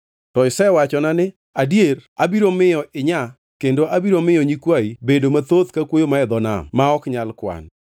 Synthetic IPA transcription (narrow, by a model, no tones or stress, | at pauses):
tɔɪsɛwat͡ʃɔnanɪ | adjeɾabiɾomɪjɔʔɪɲa | kendoʔabiɾomɪjɔɲikwaibedomat̪ot̪kakwojomaɛd̪ɔna̰maɔkɲalkwa̰n